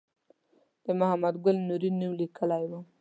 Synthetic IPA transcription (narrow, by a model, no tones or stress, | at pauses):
d̪̥əmʊɦamad̪ɡʊlnuɾinːuwlikəlajwu